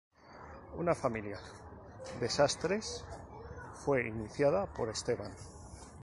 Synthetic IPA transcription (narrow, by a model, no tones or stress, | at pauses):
unafamilja | d̪e̞sast̪ɾe̞s | fwe̞iniθjaðapo̞ɾe̞st̪e̞βan